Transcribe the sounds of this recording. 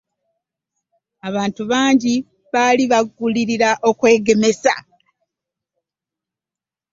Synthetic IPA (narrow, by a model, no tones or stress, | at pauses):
aβaːntuβaːɲɟi | βaːliβaɡːuliɾiɾaʔo̞kwe̞ːɡe̞me̞sa̰